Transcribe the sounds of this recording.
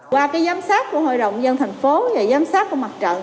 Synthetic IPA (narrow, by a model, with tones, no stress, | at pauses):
kwaː˧kaː˨˦jzaː˨˦msaː˦˥t̚ku˧˩əɦo̰˧˨jɗə̰˧˨wŋ͡mzə˧nt̪ʰa˨˩jŋ̟fo˨˦vaː˨˩jzaː˨˦msaː˦˥t̚ku˧˩əma˨˩t̚t͡ɕə̰˧˨n